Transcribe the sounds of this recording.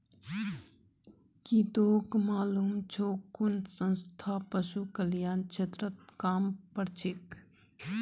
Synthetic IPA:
kit̪oːkmaːluːmt͡ʃʰoːkːunsə̃nst̪ʰaːpəʃukəljaːnt͡ʃʰet̪ɾət̪̚kaːmpəɾt͡ʃʰik

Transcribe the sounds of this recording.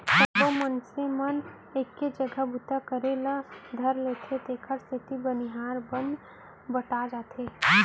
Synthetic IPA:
səd̪omənsemən | eːkːed͡ʒəɡəbʊt̪akəɾelad̪ʱəɾleːt̪ʰet̪eːkʰəɾst̪ɪt̪ibəniɦaːɾbənd̪ | bəʈad͡ʒaːt̪ʰeː

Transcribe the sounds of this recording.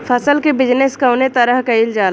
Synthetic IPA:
pʰɐsəlkebɪd͡ʒneskɐʊnet̪ɐɾəɦkɐild͡ʒaːl

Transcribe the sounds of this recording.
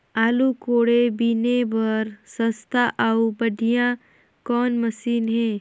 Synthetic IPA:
aːlukoːɽebinebɐɾsə̃st̪ʰaʔaubɐɖʱijã | kɔːnmɐsiːnɦɛː

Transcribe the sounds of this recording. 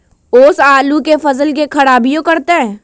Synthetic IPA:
oːsaːlukefɐzəlk̬ekʰɐɽaːbijõkɐɾt̪eɦɛ̃ː

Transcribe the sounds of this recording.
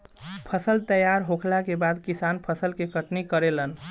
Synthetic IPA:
pʰəsəlt̪əjaɾɦokʰlakebad̪kisanpʰəsəlkekəʈnikəɾelən

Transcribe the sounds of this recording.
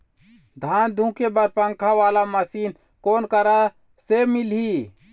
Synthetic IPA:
d̪ʱaːnd̪ʱũkebəɾpə̃ŋkʰaʋaːlaməsiːn | koːnkəɾa | semilɦi

